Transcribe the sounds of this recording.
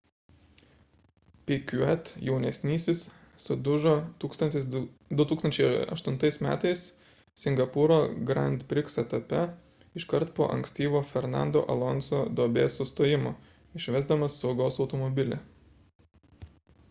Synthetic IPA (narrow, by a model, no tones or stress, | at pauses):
pʲɪkʲʊɛt̪jɛʊnʲɛsʲnʲiːsʲɪs | sʊd̪ʊʒoːt̪uːkst̪ɐnt̪ʲɪsd̪ʊt̪uːksɐnʲt͡ʃʲɛɪɐ̰ʃt̪ʊnt̪ɐɪsmʲæ̰ːt̪ɐɪs | sʲɪŋɡɐpʊɾoːɡɾɐnʲt̪ʲpʲɾʲɪksɐt̪ɐpʲɛ | ɪʃkɐɾt̪po̰ːʔɐ̰ŋʲksʲt̪ʲiːʋoːfʲɛɾnɑ̰ˑnd̪o̰ːʔɐ̰lˠɔnsoːd̪oːbʲeːsʊst̪oːjɪmoː | ɪʃʲʋʲɛzd̪ɐmɐsːɒʊɡɐʊsɒʊt̪ɔmɔbʲɪlʲɛ̰